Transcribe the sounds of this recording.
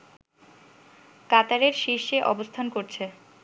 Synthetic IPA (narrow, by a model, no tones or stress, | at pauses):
kat̪aɾeɾʃiʃeʔɔbost̪ʰankoɾt͡ɕʰe